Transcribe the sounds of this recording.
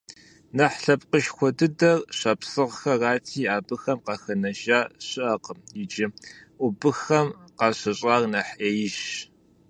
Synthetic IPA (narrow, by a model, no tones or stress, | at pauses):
nɐħɬɐp̚qəʃxʷɔdɨdɐrɕɐpsɨʁxɐraːtʰiːaːbɨxɐmqɑxɐnɐʒaːɕɪʔɐqəmjɪd͡ʒɪʔʷʊbɨxɐmqɑɕɐɕʼaːrnɐħʔeːjɪʃ